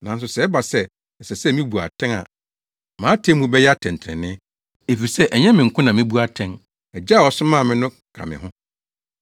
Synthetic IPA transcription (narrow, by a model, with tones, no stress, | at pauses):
nã˨n̩˦s̬ʊ˨sɛ˨˦ba˨sɛ˦ | ɛ˨sɛ˨sɛ˦mĩ˦bu˨a̰˨tʰɛ̃˦ŋa̰˨ | mãː˨˦tʰẽ˦mũ˦bɛ˦jɛ˦a˦tʰɛ̃˨n˨tʰɾɛ̰̃˨nɪ̃˦ | e˨fi˨sɛ˦ʔɛ˨ɲɛ̃˦mɪ̃˨ŋ̩˨kʰʊ̃˦nã˨mɪ̃˦bu˦a˦tʰɛ̃˦ŋ | ɛ˨d͡ʑa˦˨ɔ˨sʊ˦mã˦˨mɪ̃˦nʊ̃˦ | kʰa̰˨mɪ̰̃˨ɦʊ̃˦